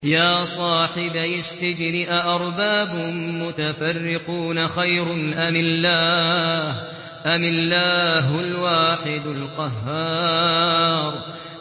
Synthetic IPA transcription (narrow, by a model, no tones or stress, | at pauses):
jaːsˤɑːħɪbajasːɪd͡ʒnɪʔaʔɑɾˤbaːbʊmmʊt̪afarːɪquːnaxajɾʊnʔamɪlːaːh | ʔamɪlːaːɦʊlwaːħɪd̪alqɑɦːɑː | ɾˤ